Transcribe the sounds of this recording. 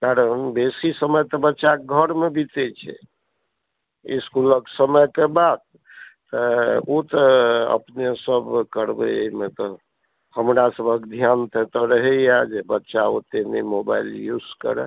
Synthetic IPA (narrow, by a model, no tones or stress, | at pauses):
kaɾənbesisəməjt̪ɔbətːʃaɡʱəɾmebit̪ɛt͡ʃʰɛ̰ | ḭskuləksəməjkebad̪̚ | t̪ɔot̪ɔə̰pnesəbkəɾbɛ̰met̪ɔ | həmɾasəbʱəkd̪ʱjant̪ʰet̪ɔɾəɦɛjad͡ʒebətːʃao̰t̪enemoba̰iljuzkə̰ɾɛ̰